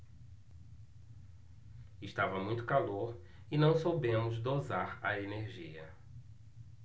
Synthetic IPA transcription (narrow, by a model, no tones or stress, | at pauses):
ɪʃt̪avɐmũj̃t̪ʊ̥kaloɾ | ɪnɐ̃w̃sobẽmʊzd̪ozaɾɐ̰eneɾʒiɐ̰